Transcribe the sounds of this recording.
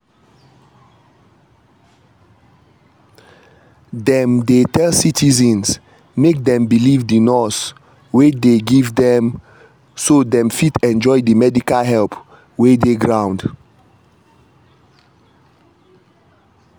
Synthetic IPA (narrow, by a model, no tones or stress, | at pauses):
dɛ̃mdetɛlsitʰizɛ̃ns | mek̚dɛ̃mbilivdinɔs | wedeɡivdɛ̃m | sodɛ̃mfitʰɛ̃nd͡ʒɔɪdimɛdikalɦɛlp | wedeɡɹãʊ̃nd